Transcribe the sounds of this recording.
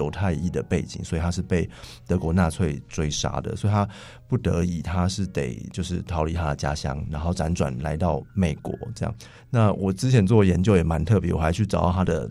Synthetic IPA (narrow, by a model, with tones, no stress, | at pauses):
o˧˥ʊt̪ʰa˥˧ɪi˥˩d̪ə˩pe˥˩ɪt͡ɕḭ˨˦ŋswɔ˧˥i˨t̪ʰa˥ʂ̬ɻ̩˥˧pe˥˩ɪt̪ɤ˧˥kwɔ˧˥na˥˧t͡sʰwe˥˩ɪt͡swe˥ɪʂa̰˥d̪ə̰˨swɔ˧˥i˨˩t̪ʰa˦ | pu˥˩t̪ə̰˧˥i˨˩t̪ʰa˦ʂɻ̩˥˩t̪ḛ˨˩ɪt͡ɕjo˥˧ʊʂɻ̩˥˩t̪ʰɑ˧˥ʊli˨˥t̪ʰa˥d̪ə˨t͡ɕja̰˥ɕjɑ̰˥ŋɻa˧˥nxo˥˩ʊʈ͡ʂa˧˥nʈ͡ʂwa̰˨˩nla̰˧˥ɪt̪ɑ˥˩ʊme˨˩ɪkwɔ̰˧˦ʈ͡ʂɤ˥˧jɑ̰˥˩ŋ | na˥˩wʔɔ˨˩ʈ͡ʂɻ̩˥t͡ɕʰjɛ˧˥nt͡swɔ˥˩jɛ˧˥nt͡ɕjo˥˧ʊjɛ˨˩ma˧˦nt̪ʰɤ˥˧˩pjɛ˧˦˥wɔ˨˩xa˧˥ɪt͡ɕʰy˥˩ʈ͡ʂɑ˨˩ʊd̪ɑ˥˧˩t̪a˥d̪ə̰˨